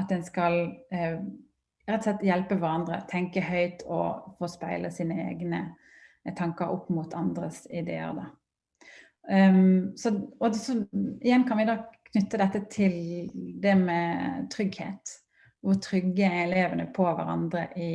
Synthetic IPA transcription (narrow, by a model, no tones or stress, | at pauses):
ɑt̪̚d̪ɛnskɑl | ɾɛt̪ːɔslɛt̪ːjɛlpəʋæɾɑnd̪ɾə̰t̪ʰɛŋkəhœʏt̪ʰɔ̰foːspæɪlʔəsiːnəḛːɡnə | t̪ʰɑŋkəɾɔ̰pːmut̪ʰɑnd̪ɾəsɪd̪ḛːə̰ɾd̪ɑ | sɔɔsɔɪjɛnkʰɑnʋɪd̪ɑːkʰnʉt̪ːəd̪ɛt̪ːət̪ʰɪld̪ɛmɛt̪ʰʁʏɡhḛːt̪ | ʋʊʁt̪ʰɾʏɡəɛleːʋənəpʰɔʋæ̰ɾɑ̰nd̪ɾəʔɪ